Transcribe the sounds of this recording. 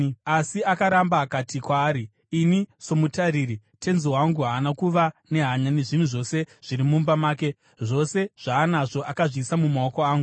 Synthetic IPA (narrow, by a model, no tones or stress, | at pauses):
asiakaɾambaːkatikwaːɾiː | niso̞mutaɾiːɾi | te̞nzowaŋɡuɦaːnakuʋane̞ɦaɲaneʐin̤uʐo̞se̞ʐ̥iɾimumbamaːke̞ | ʐo̞se̞ʐ̥aːnaʐo̞ʔakaʐisamumaoko̞aːŋɡu